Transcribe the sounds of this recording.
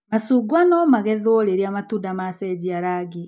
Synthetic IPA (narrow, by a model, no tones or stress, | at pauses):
masuɡwanɔmaɣɛðoɾeɾiamatuːndamasɛd͡ʑiaɾaɡi